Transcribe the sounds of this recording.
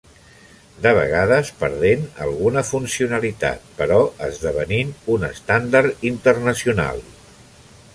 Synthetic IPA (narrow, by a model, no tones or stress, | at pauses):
d̪əβ̞ə̰ɣaðəspəɾðenə̰lˠɣunəfunsiunəlit̪a̰t̪̚pəɾɔəzðəβəninunəst̪and̪əɾt̪int̪ərnəsiuna̰lˠ